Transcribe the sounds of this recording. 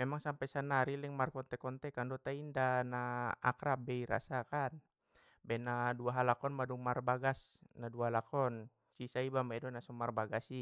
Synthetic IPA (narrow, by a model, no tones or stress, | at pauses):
mɛmaŋsampɛjsanaɾilɛŋmarkɔnt̪ɛkɔnt̪ɛkandɔt̪aindana̰ːkɾabɛiɾa̰sakan | bɛnaduaɦalakɔnmaduŋmarbaɡasnaduaɦalakɔn | sisaibamaɛdɔnasɔmarbaɡasi